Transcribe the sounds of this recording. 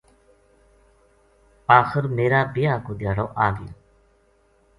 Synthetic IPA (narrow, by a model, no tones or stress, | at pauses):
aːxɪɾmeːɾaːbɪjaːkoːd̪jaːɽoːʔaːɡɪ̰l